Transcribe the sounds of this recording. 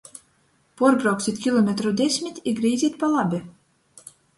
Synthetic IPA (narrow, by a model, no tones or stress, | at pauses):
porbɾɑwksʲit̪ʲkʲilˠomʲet̪ɾod̪ʲesʲmʲit̪ʲiɡɾijzʲit̪̚pɑlˠɑbʲɘ